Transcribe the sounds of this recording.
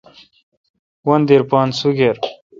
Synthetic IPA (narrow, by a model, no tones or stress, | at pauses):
wɐnd̪iɾpɑːnsuɡeɾ